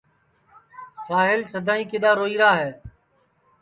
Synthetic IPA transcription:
saːɦɪlsəd̪ʱaːĩːkɪɗ̪aːɾoːiːɾaːɦɛː

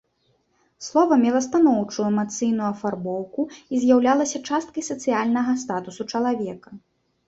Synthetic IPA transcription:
slˠɔvɐmʲɛlˠɐst̪anɔwt͡ʂuuɛmat̪sɨjnujuɐfarbɔwkuizʲjawlʲalˠɐsʲɐt͡ʂast̪̚kɐjsɐt̪sɨjalʲnɐɣɐst̪at̪usut͡ʂɐlˠavʲɛkɐ

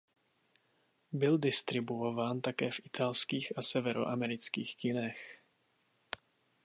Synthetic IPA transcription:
bɪldɪst̪ɾɪbuovaːnt̪akɛːfʔɪt̪ʰalskiːxasɛvɛɾo̰ʔamɛɾɪt͡skiːxkɪnɛx

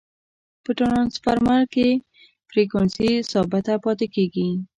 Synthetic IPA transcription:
pəʈonɑnsfaɾmalke | fɾekɔnsisɔbat̪apɔt̪ekeɡi

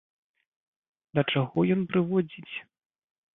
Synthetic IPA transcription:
d̪ɐt͡ʂaɣɔjɔnpɾɨvɔd͡zʲit͡sʲ

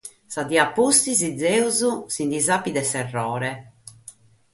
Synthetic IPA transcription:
sad̪iapːust̪izid̪zːɛːuzusind̪izapːid̪ɛsɛrːɔːɾɛ

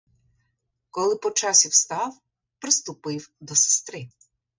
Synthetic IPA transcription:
kɔlˠɪpɔt͡ʃɑsʲiwst̪ɑw | pɾɪst̪ʊpɪwd̪ɔse̥st̪ɾɪ

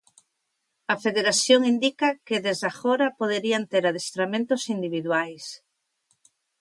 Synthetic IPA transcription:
ɐfeðeɾaθjoŋind̪ikɐkeðezðaxoɾɐpoðeɾiɐnt̪eɾaðest̪ɾamẽnt̪ʊsind̪iβiðwajs

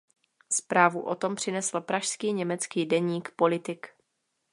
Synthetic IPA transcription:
spɾaːvuʔot̪o̞mpr̝̥ɪnɛsl̩pɾaʃskiːɲɛmɛt͡skiːdɛɲiːkpo̞lɪt̪ɪk

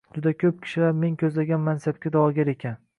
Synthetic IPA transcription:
d͡ʒʊd̪akʲʰɵp̚kʲʰɪ̥ʃɪlaɾme̞ŋkʲʰɵzlaɡʲanmansab̚kʲad̪ɒɒɡʲaɾe̞kʲʰan

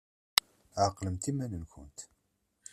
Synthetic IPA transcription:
aqːləmt̪imænənkʷʊ̰nt̪

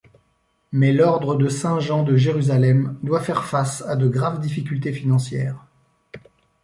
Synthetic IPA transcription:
mɛlɔʁd̪ʁəd̪əsɛ̃ʒɑ̃d̪əʒeʁyzalɛmd̪wafɛʁfasad̪əɡʁavd̪ifikʲylt̪efinɑ̃sjɛːʁ

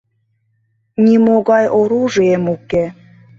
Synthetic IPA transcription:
nʲimoɣɑjʔoɾuʒiemuke

